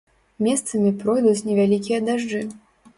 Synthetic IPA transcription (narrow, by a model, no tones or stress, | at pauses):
mʲɛst̪sɐmʲipɾɔjd̪ut͡sʲnʲɛvʲalʲikʲijɐd̪aʐd͡ʐɨ